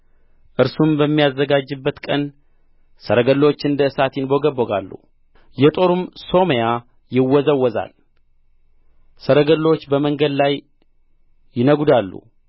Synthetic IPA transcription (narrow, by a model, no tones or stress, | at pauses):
ʔɨɾsumbəmːijazːəɡad͡ʒːɨbːət̪kʼən | səɾəɡəlːot͡ʃːɨnd̪əɨsat̪ʰɪnbo̞ɡəboɡa̰lːṵ | jɛt̪ʼo̞ɾumso̞meja | jɪwːɔzəwːɔza̰l | səɾəɡəlːo̞t͡ʃːbəməŋɡəd̪laj | jɪnəɡud̪alːṵ